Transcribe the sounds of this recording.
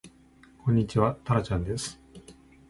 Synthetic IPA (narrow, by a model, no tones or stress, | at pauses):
kʰõ̞ɲ̟ːit͡ɕiβat̪aɾat͡ɕãnd̪e̞sɨ̥